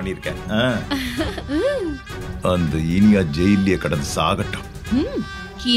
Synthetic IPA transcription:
ɐɳːiɪɾɯkːɛ̰̃ːãː | ɐnd̪ɐɪnɪjaːd͡ʒɛjlɪjɐkɐɽɐnd̪ɐsa̰ːɣɐʈːʊ̥̃ | ki

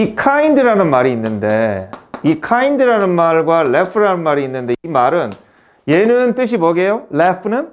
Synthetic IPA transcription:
ikʰaindɯɾanɯnmaɾiːnːɯnde̞ikʰaindɯɾanɯnmaɭɡwaɭepʰɯɾanɯnmaɾiːnːɯnde̞imaɾɯn | je̞nɯnt͈ɯɕ̬ʰimoɡe̞joɭepʰɯnɯn

